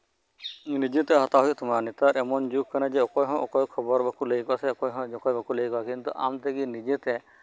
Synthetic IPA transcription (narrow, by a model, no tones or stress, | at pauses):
nid͡ʒet̪ɛɦɔt̪aɦɔjt̪ʊmaɾnet̪aɾɛmɔnd͡ʒukkʰːanad͡ʒɛɔkɔjɦɔ̃ʔɔkɔjkʰɔbɔɾbakulejkɔasɛɔkɔjɦɔ̃ɔkɔjbakulejkɔakint̪uʔa̰mt̪ʰekinid͡ʒet̪e